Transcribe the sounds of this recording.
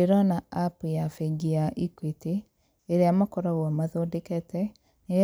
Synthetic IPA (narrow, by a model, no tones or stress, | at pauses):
eɾanaapujafeɡiaʔikwete | eɾeamakɔɾaɣwɔmaðodekɛtɛ | ne